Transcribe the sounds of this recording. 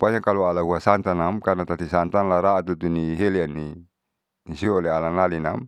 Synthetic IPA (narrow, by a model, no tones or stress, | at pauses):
paɲakalualaɦuasant̪anamkanat̪at̪isant̪anlaɾaʔat̪ut̪uniɦeliani | nisiolealanalinam